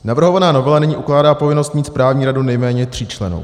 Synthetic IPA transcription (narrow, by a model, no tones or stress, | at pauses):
navr̩ɦovanaːnovɛlanɛɲiːʔuklaːdaːpo̞vɪnost̪miːt̪spɾaːvɲiːɾadunɛjmɛːɲɛt̪r̝̥iːt͡ʃlɛnṵw